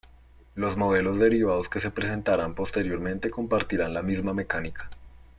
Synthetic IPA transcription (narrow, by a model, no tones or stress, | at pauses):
lo̞zmo̞ðe̞lo̞zd̪e̞ɾiβað̞o̞ske̞se̞pɾe̞s̬e̞nt̪aɾampo̞st̪e̞ɾjo̞ɾmẽ̞nt̪e̞ko̞mpaɾt̪iɾanlamizmame̞kanikḁ